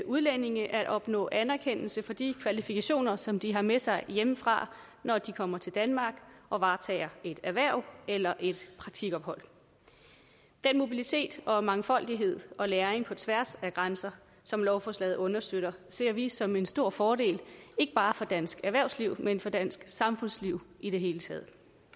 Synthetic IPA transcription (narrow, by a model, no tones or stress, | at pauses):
ʔuðˠlene̝ŋəʔæɐæɾ̥ɒ̽b̥nɔ̰̽ːʔænæɐkʰen̰l̩səfɒ̽d̥ikʰʋælifikʰæɕo̝̰ːnɐsɒ̽md̥iɦɑ̈mesɑ̈ɪjeməfʁɑ̰̈ | nɒd̥ikʰɒ̽m̰ɐt͡sʰe̝ld̥ænmɑ̈ːɡ̥ʔɒ̽ʋɑ̈ːt͡sʰɛ̰ɪɐe̝d̥æʋæɐ̰ʊ̰elɐʔe̝d̥pʰʁɑ̈ɡ̥̚t͡sʰiɡ̥ɒ̽b̥hɒ̽l̰ | d̥enmo̝bilit͡sʰe̝̰ːd̥ɒ̽mɑ̈ŋfɒ̽l̰d̥iɦe̝ð̞̰ˠɒ̽leːɐeŋpʰɒ̽t͡sʰʋæɐsæɡ̥ʁansɐ | sɒ̽mlɒʊfɒslɛ̰ð̞̩ˠɔ̽nɐsd̥øɾ̥ɐse̝ɐ̰ʋisɒ̽me̝nsd̥o̝ɐ̰fɒːɾ̥e̝̰ːle̝ɡ̥əb̥ɑ̈ːfɒ̽d̥æn̰sɡ̥æɐʋæɐʊsliʊ̰menfɒ̽d̥æn̰sɡ̥sɑ̈mfɔ̽n̰sliʊ̰ʔiɾ̥e̝ɦe̝ːlət͡sʰɛ̰ːð̞̩ˠ